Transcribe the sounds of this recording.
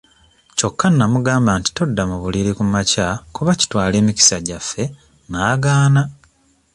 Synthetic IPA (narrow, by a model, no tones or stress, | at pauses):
co̞kːanːamuɡaːmbanti̥to̞dːamuβuliɾikumacakuβaci̥twaːle̞ːmici̥saɟafːe̞ | naːɡaːna